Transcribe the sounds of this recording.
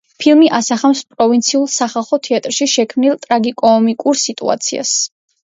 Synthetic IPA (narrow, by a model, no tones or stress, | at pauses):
pʰilˠmiʔasaχamspʼɾɔvint̪sʰiulˠsaχalˠχɔt̪ʰɛat̪ʼɾʃiʃɛkʰmnilˠt̪ʼɾaɡikʼɔːmikʼuɾsit̪ʼṵa̰t̪sʰḭa̰s